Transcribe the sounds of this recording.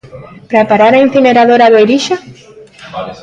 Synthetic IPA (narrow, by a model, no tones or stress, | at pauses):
pɾapaɾaɾain̟θineɾaðoɾaðojɾiʃa